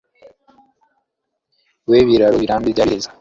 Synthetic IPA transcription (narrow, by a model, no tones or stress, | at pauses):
weːβiɾaɾoβiɾaːmbiɟaɾezḁ